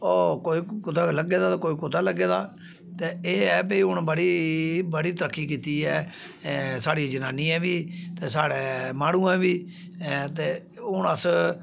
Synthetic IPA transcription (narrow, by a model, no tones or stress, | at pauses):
oːkoːiːkʊt̪aːləɡeːd̪aːt̪ːkoːiːkʊt̪aːləɡeːd̪aː | t̪eːeːɛːbəiːɦʊnbəɽiːbəɽiːt̪əɾəkʰːiːkiːt̪iːɛː | saːɽid͡ʒənaːniːɛ̃ːʋiːt̪eːsaːɽeːmaːɽ̃ũːɛ̃ːʋiː | t̪eː | ʊɳəs